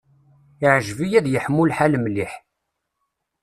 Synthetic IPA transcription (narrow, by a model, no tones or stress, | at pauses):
ɪʕʒvijæðjəħmːulħaləmliħ